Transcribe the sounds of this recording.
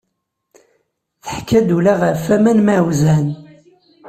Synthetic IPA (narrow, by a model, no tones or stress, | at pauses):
θə̥ħkːæd̪ulæʁəfæmænmawzæn